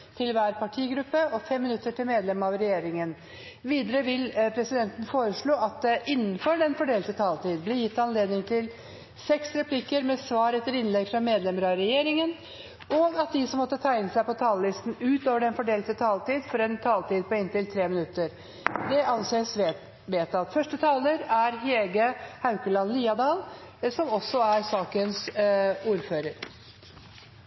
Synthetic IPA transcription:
t̪ʰɪlʋæːɾpʰɑʈʰiːɡɾʉpːəɔfɛmːɪnʉt̪ːəʈʰɪlmeːd̪lɛmɑʋɾɛjeːɾɪŋən | ʋiːd̪əɾəʋɪlpʰɾɛsɪd̪ɛnt̪ən̩foːɾəʂɭoːɑt̪̚d̪ɛʔɪnːən̩fɔɖɛnfɔɖeːlt̪ət̪ʰɑːlt̪iːd̪blɪjɪt̪ːɑnleːd̪nɪŋt̪ʰɪl | sɛksɾɛpʰlɪkəɾmɛsʋɑːɾɛt̪ːəɾɪnlɛɡfɾɑmeːd̪lɛməɾɑɾɛjeːɾɪŋən | ɔɑt̪̚d̪ɪsɔmːɔt̪ːət̪ʰæɪnəsæɪpɔt̪ʰɑːləlɪst̪n̩ʉːt̪oːʋəɖɛnfɔɖeːlt̪ət̪ʰɑːlt̪iːd̪fɔɾɛnt̪ʰɑːlt̪iːd̪̚pɔɪnt̪ɪlt̪ʰɾeːmɪnʉt̪ːəɾ | d̪ɛʔɑnseːs | ʋeːt̪ɑt̪fœʂʈət̪ʰɑːləɾæɾɦeːɡəhɑʉkəlɑnliːɑd̪ɑːlsɔmɔsːɔæɾsɑːkənsuːɾføːɾəɾ

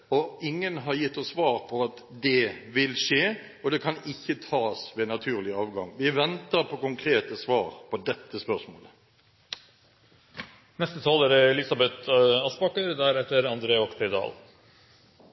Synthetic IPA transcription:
ɔɪŋːənɦɑɾjɪt̪ːɔsːʋɑːʁpʰɔɑt̪ | d̪ɛʋɪlʂeː | ɔd̪ɛkʰɑnɪçːət̪ʰɑːsʋɛnɑt̪ʰʉːʁlɪəɑːʋɡɑŋʋɪʋɛnt̪əɾpʰɔkʊŋkʰɾeːt̪əsʋɑːɾpʰɔd̪ɛt̪ːəspœʁsmo̰ːlə | nɛst̪ət̪ʰɑːləɾəɛlɪsɑbɛt̪ɑspɑkəɾd̪æɾɛt̪ːəɾɑnd̪ɾeːɔkt̪ʰɛd̪ɑ̰ːl

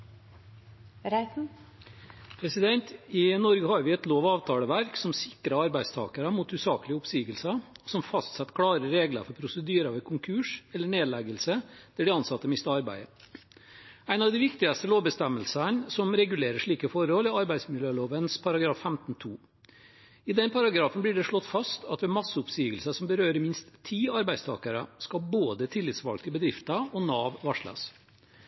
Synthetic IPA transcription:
ɾæ | pʰɾɛsɪd̪ɛnt̪ɪnɔɾɡəhɑːɾʋɪɛt̪loːʋɑːʋt̪ʰɑːləʋæɾksɔmsɪkːɾɑɑɾbæɪst̪ʰɑ̰ːkəɾəmuːt̪hʉːsɑːkəlɪəʊpsiːɡəlsɑɔsɔmfɑst̪sɛt̪ːkʰɽɑːɾəɾeːɡlə̰ɾfɔɾpʰɾʊsəd̪yːɾɑʋɛkʰʊŋkʰʉːʂɛlːəɳeːd̪læɡəlsəd̪̥ɛɖɪɑnsɑt̪ːəmɪst̪əɑɾbæ̰ɪə | æɪnɑʋd̪ɪʋɪkt̪ɪɑst̪əloːʋbəst̪ɛmːəlsənsɔmɾɛɡʉleːɾəʂɭiːkəfɔɾhɔlɪɑɾbæɪsmɪljøːloːʋənspʰɑɾɑɡɾɑːfːæmt̪n̩t̪ʰuː | ɪd̪ɛnpʰɑɾɑɡɾɑːfənblɪːɖɛʂɭɔt̪ːfɑst̪ʰɑt̪ʋɛːmɑsəʊpsiːɡəlsəsɔmbəɾøːɾəmɪnst̪ʰːiːɑɾbæɪst̪ʰɑ̰ːkəɾə̰skɑlboːd̪ət̪ʰɪlːɪt̪sʋɑ̰lɡ̚t̪ʰɪlbəd̪ɾɪft̪ɑɔnɑːʋʋɑʂlɑ̰s

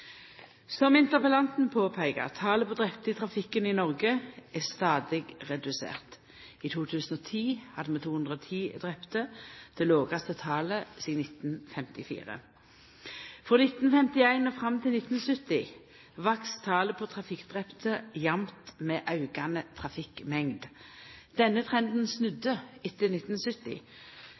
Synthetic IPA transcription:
sɔmɪnt̪əʁpəlɑnt̪n̩pʰoːpʰæɪɡə̰ʁt̪ʰɑːləpʰod̪ʁɛpt̪əɪt̪ʰʁɑfɪkəninɔʁɡəæst̪ɑːd̪ɪɡʁɛd̪ʉsḛːʁt̪ | iːt̪ʰuːt̪ʰʉːsn̩oːt̪ʰiːhɑd̪əmɛt̪ʰuːhʉnd̪ʁoːt̪ʰiːd̪ʁɛpt̪əd̪̥ɛloːɡɑst̪ət̪ʰɑːləsiːnɪt̪n̩fɛmt̪ɪfḭːʁə̰ | fʁoːnɪt̪n̩fɛmt̪ɪæɪnoːfʁɑmt̪ʰɪlnɪt̪n̩sʏt̪ɪ | ʋɑkst̪ʰɑːləpʰot̪ʰʁɑfɪkd̪ʁɛpt̪əjɑmt̪meːʔɑʉɡɑnət̪ʰʁɑfɪkmɛŋd̪d̪̥ɛnːət̪ʰʁɛnd̪n̩snʉd̪əɪt̪ːənɪt̪n̩sʏt̪ɪ̰

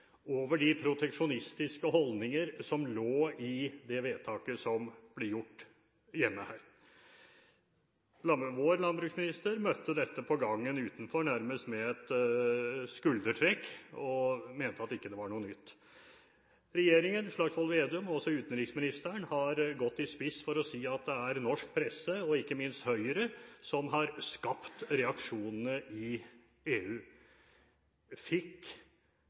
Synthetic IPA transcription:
oːʋəɖɪpʰɾʊt̪ʰɛkʂʊnɪst̪ɪskəɦɔld̪nɪŋəɾsɔmloːɪd̪ɛʋeːd̪t̪ʰɑːkəsɔmb̥lɛjʊʈː | ɪjɛnːəhæːɾ | ɑʋoːɾlɑnbɾʉːksmɪnɪst̪əɾmœt̪ːəd̪ɛt̪ːəpʰɔɡɑŋːənʉːt̪n̩fɔɳæɾməst̪mɛɛt̪ | skʉld̪əʈʰɾɛkːɔmeːnət̪əɑt̪ːɪkːəd̪ɛʋɑɳuːənʏt̪ː | ɾɛjeːɾɪŋənʂɭɑɡsʋɑlʋeːd̪ʉmɔsɔʉːt̪nɾɪksmɪnɪst̪əɳhɑɾɡɔt̪ːɪspɪsfɔɾɔsiːɑt̪̚d̪ɛæɾnɔʂk̚pʰɾɛsːəɔɪkːəmɪnst̪hœʏəɾəsɔmɦɑɾskɑpt̪ɾɛɑkʂuːnənəʔɪ | eːʉː | fɪkː

